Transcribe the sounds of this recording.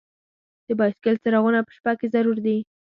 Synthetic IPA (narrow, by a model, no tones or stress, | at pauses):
d̪̥əbɑjɪskɪlt͡səɾaɣunapə̥ʃpakezaɾuɾd̪i